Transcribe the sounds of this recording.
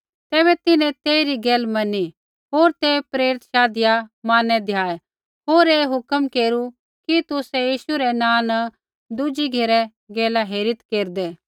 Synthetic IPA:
t̪ɛːβɛt̪ɪnɛ̃t̪eːɾiɡɛːlmɐni | ɦoːɾt̪epɾeːɾɪt̪ʃaːd̪ɪjamaːnɛd̪ʱɪjaːe | ɦoːɾeːɦʊkəmkeːɾu | kit̪ʊsɛjiːʃuɾɛnãːnɐ | d̪ʊd͡ʒiɡʱeɾɛ | ɡeːlaɦeːɾɪt̪keːɾd̪ɛː

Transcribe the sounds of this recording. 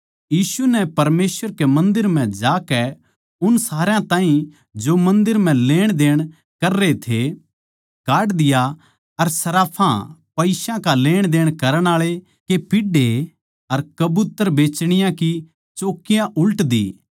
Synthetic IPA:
jiːsunɛpɐɾmeːswəɾkemɐ̃nd̪ɪɾm̤ɛ̃d͡ʒaːkɛ | ʊnsaːɾjãt̪ãːɦĩ | d͡ʒomɐ̃nd̪ɪɾm̤ɛ̃leːɽ̃d̪eːɽ̃ | kɐɾːet̪ʰe | kaːɖd̪ɪja | ɐɾsɐɾaːpʰã̰pɐɪʃãkaleːɽ̃d̪eːɽ̃kɐɾəɽ̃aːɭe | kepɪɖe | ɐɾkɐbut̪ːəɾbeːt͡ʃɽ̃ɪjãki | t͡ʃoːkːɪjãʔʊlʈd̪ḭː

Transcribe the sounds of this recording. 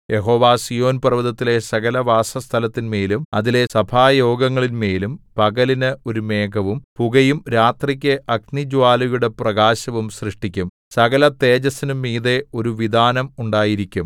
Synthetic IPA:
jʔe̞ɦo̞ːʋaːsijo̞ːnpɐrʋɐðɐt̪ːile̞sɐɣɐlɐʋaːsɐst̪ʰɐlɐt̪ːinmeːlumɐðile̞sɐbʱaːjo̞ːɡɐŋːɐɭinmeːlumpɐɣɐlinɨo̞ɾume̞ːkʰɐʋumpuɡɐjumɾaːt̪rik̬ʲːeʔɐɡnid͡ʑwaːlɐjuɽe̞prɐɡaːɕɐʋumsrɨʂʈikʲːum | sɐɣɐlɐt̪eːd͡ʑɐsinumiːðe̞o̞ɾuʋid̪ʱaːnɐmuɳɖaːjiɾikʲːum

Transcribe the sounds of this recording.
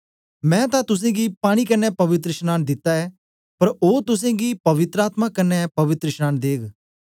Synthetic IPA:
mɛ̃ːt̪ãt̪ʊs̬ẽɡipaːɽ̃ikɐnɛpɐʋɪt̪̬ɾəʃnaːnd̪ɪt̪ːaɛː | pɐɾoːt̪ʊs̬ẽɡipɐʋɪt̪ɾaːt̪makɐnɛpɐʋɪt̪ɾəʃnaːnd̪eːɡ

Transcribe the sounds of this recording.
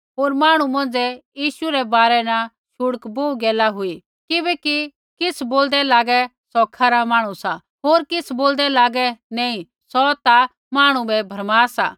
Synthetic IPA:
ɦoːɾmaːɽ̃umɐ̃nd͡zɛjiːʃuɾɛbaːɾɛna | ʃʊɽəkboːuɡɛːlaɦʊi | kɪbɛki | kɪsboːld̪ɛlaːɡɛ | sɔːkʰːaɾamaːɽ̃ũsa | ɦoːɾkɪsʰboːld̪ɛlaːɡɛnɛ̃ːĩ | sɔt̪a | maːɽ̃ubɛbʱɐɾmaːsa̰ː

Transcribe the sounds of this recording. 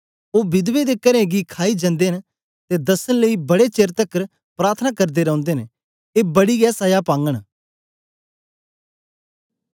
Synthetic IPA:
oːbɪd̪ʋed̪eːkəɾẽɡiːkʰaːid͡ʒãnd̪eːɦən | t̪eːd̪əsənləiːbəɽet͡ʃeːɾt̪əkəɾ | pɾaːt̪ʰnaːkəɾd̪eːɾɛ̃ʊ̃nd̪eːn | eːbəɽiːɡɛːsaːjaːpãːŋɡəɽ̃

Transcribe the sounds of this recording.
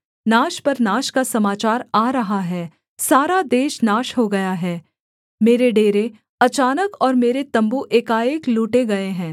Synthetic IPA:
naːʃpɐɾnaːʃkasɐmaːt͡ʃaːɾaːɾɐɦaɦɛː | saːɾad̪eːʃnaːʃɦoɡɐjaɦɛː | meːɾeɖeːɾẽ | ɐt͡ʃaːnəkɔːɾmeːɾet̪ɐ̃mbuʔeːkaːeːkluːʈeɡɐeɦɛ̃ː

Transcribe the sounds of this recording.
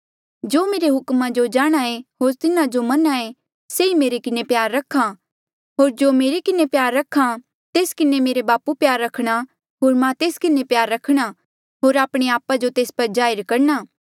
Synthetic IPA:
d͡ʒoːmeːɾeɦʊkmãd͡ʒod͡ʒaːɽ̃aẽɦoːɾt̪ɪnãd͡ʒomɐnaẽ | seimeːɾekɪnepjaːɾːɐkʰːa | ɦoːɾd͡ʒoːmeːɾekɪnepjaːɾːɐkʰã | t̪eːskɪnemeːɾebaːpupjaːɾːɐkʰɽ̃a | ɦoːɾmãt̪eːskɪnepjaːɾːɐkʰɽ̃a | ɦoːɾaːpɽ̃eaːpad͡ʒot̪eːspɐɾd͡ʒaːɪɾkɐɾñaː

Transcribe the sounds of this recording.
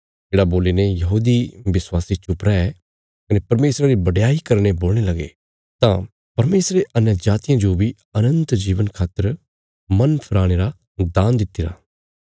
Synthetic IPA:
d͡ʒeːɽaboːlenejɐɦuːd̪iʋɪswaːsit͡ʃʊpɾaɛ | kɐnepɐɾmeːsɾaɾibɐɖejaːikɐɾneboːl̃elɐɡḛ | t̪ã | pɐɾmeːsɾeʔɐnjəd͡ʒaːt̪ijãd͡ʒobʱi | ɐnə̃nt̪d͡ʒiːʋənkʰaːt̪əɾ | mɐnpʰɐɾaːɽ̃eːɾa | d̪aːnd̪ɪt̪ːiɾa̰ː

